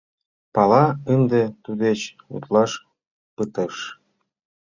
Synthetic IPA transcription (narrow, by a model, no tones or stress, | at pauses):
pɑlɑənd̪ĕt̪ud̪et͡ɕ | ṵt̪lɑʃ | pɯt̪əʃ